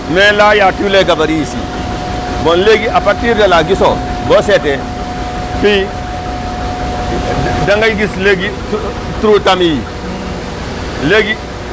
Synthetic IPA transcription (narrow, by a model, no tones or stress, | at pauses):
melajatuleɡabaɾisḭ | bɔnleɡiʔapaɾtiɾdalaɡiso | bɔsetɛ | pi | daŋɡajɡisleɡi | tɾutami | leɡi